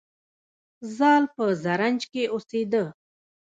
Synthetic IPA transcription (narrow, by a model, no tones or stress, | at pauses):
zɑːlpəzaɾand͡ʒkeʔosed̪ə